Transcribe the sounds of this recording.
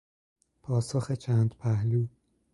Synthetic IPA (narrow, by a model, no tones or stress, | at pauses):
pʰɒːsoxet͡ʃʰæːnd̪̥pʰæhluː